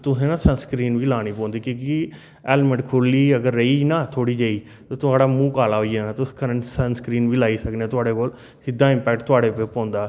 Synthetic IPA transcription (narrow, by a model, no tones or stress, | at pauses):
t̪ʊsẽːnãːsənskɾiːnʋiːlaːɽ̃iːpɔ̃ːnd̪iːkõːki | ɛːlməɖkʰʊliːəɡəɾːəiːnãːt̪ʰoːɽiːd͡ʒəiː | t̪oːt̪ʊaːɽaːmũːkaːlaːɦoːijaːnãːt̪ʊskəɾəɳsənskɾiːnʋiːlaːiːsəkneaːt̪ʊaːɽeːkoːl | sɪd̪ːãːɪ̃mpɛːk̚ʈt̪ʊaːɽeːpepɔ̃ːnd̪aː